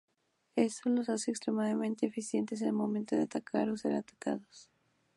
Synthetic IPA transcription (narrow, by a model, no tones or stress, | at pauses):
esolo̞saseeːkst̪ɾemaðamẽnt̪eːfisje̞nt̪e̞s̬enelmo̞mẽnt̪o̞ðeat̪akʰaɾose̞ɾat̪ḁka̰ðos